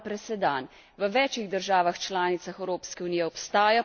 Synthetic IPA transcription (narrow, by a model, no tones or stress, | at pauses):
pɾɛsɛd̪an | ʋəʋɛːt͡ʃiɣd̪əɾʒaːʋaxt͡ʃlaːnit̪saxɛwɾoːpskɛunijɛɔpst̪aːja